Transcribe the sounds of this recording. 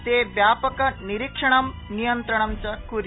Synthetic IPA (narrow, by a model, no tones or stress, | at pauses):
t̪eʋjapəkɐniɾikʂəɳ̃ɐm | nijənt̪ɾəɳ̃ɐmt͡ɕakuɾ